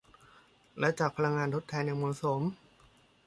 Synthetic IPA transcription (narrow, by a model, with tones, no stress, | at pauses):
lɛ˦˥t͡ɕaː˨˩k̚pʰa˧la˧ŋːaː˧nt̪ʰo˦˥t̪ʰːɛː˧nja˧ŋmɔː˧˦˥so˩˦m